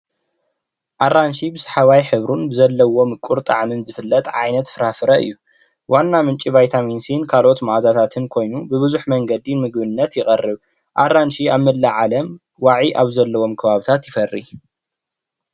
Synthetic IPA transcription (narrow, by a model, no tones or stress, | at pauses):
ʔarːanʃibɨsħaβajħɨβɾunbɨzɐlːɐwo̞mɨkʼuɾt̪ʼa̰ʕmɨnzɨfɨlːɐt̪ʼʕajnɐt̪fɨɾafɨɾɐʔɨ̰jːu | wanːamɨnt͡ʃʼivajt̪ʰaminsinkʰalʔo̞t̪maʕazat̪ʰat̪ʰɨnkʰo̞jnubɨβɨzuħmɐŋɡɐd̪imɨɡ̚bɨnːɐt̪jɪχʼɐrːɨβ | ʔarːanʃiaβmɨlːaʕalɐm | waʕiʔaβzɐlːɐwo̞mkʰɐβaβɨt̪ʰat̪jɪfɐrːḭ